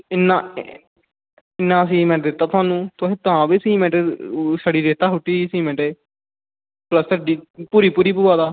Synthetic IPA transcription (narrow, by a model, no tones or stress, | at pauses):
ɪnːãː | ɪnːãːəs̬ĩːmɛ̃ːʈd̪ɪt̪ːaːt̪ʰʊaːnũːt̪oɦẽːt̪ʊãːʋiːsĩːmɛ̃ːʈeːsaɽiːɾeːt̪aːɦʊʈːiːsĩːmɛ̃ːʈeː | pləst̪aːɖiːpuːɾiːpuːɾiːpuːaːt̪aː